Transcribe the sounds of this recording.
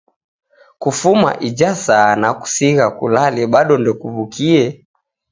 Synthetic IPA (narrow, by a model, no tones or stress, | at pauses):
kufuma̰ʔid͡ʒasaːnaku̥siɣakulalɛɓaɗɔndɔkuβukʰiɛ